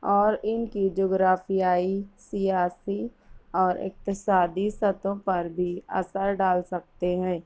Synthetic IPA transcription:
ɔːɾɪnkid͡ʒoːɡɾaːfijaːisɪjaːsi | ɔːɾɪ̰k̚t̪ɪsaːd̪isɐt̪õpɐɾbʱiɐ̰səɾɖaːlsɐk̚t̪eɦɛ̃ː

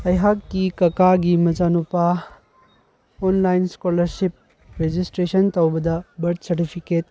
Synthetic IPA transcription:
ɐjɦakːikɐkaɡimɐd͡ʒanupa | onlajnskolɐɾsip̚ | ɾed͡ʒistɾesɐntɐwbɐdɐbɐɾt̚sɐɾtipʰiket̚

